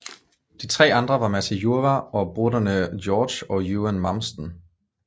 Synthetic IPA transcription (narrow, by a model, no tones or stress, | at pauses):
d̥it͡sʰʁɛ̰ːɑ̈nd̥ʁɐʋɑ̈mæt͡sæjuɐʋæɒ̽b̥ʁodɐnə̥jɒːd̥ɕɒ̽juːænmɑ̈msd̥n̩